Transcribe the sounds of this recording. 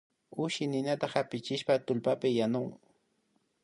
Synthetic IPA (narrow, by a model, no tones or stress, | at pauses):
ʊʃɪnɪnat̪aχapɪt͡ʃɪʃpat̪ʊlpapɪjanʊŋ